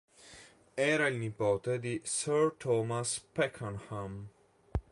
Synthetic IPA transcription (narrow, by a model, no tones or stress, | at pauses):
ɛːɾailnipoːt̪ed̪isøɾt̪ʰɔːmaspɛkʰːanham